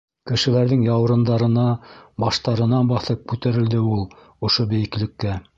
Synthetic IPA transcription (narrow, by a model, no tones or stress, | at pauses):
kɘ̆ʃɘ̆læɾðɘŋjɑw̆ɾɤ̆nd̪ɑɾɤ̆nɑbɑʃt̪ɑɾɤ̆nɑnbɑθɤp̚kʉt̪æɾɘ̆ld̪ɘulˠ | ŏʃobɘ̆jɘ̆klɘ̆kːæ